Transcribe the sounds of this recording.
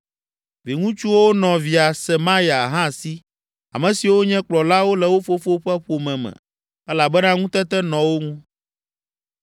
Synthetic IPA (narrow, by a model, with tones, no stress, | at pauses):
vi˨ŋũ˦t͡ʃu˦wo˦nɔ̃˨vi˨a˨sɛ˨mã˦ja˨ɦã˦˨si˦ | a̰˨mɛ̃˨si˨wo˦ɲɛ̃˦k͡plɔ˨la˦wo˦lɛ˨wo˦fo˦fo˦ɸɛ˦ɸo˨mɛ̃˨mɛ̰̃˨ | ɛ˦la˨bɛ˦nã˦ŋũ˦t̪ɛ˦t̪ɛ˦nɔ̃˨wo˦ŋũ˦